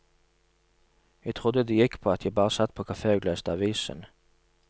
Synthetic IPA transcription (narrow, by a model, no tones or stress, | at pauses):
jæɪt̪ʰʁʊd̪əd̪ejɪkːpʰoːɑt̪ʰjæɪbɑːʁəsɑt̪ːpʰoːkʰɑfeːʉɡløst̪əɑʋiːsə̰n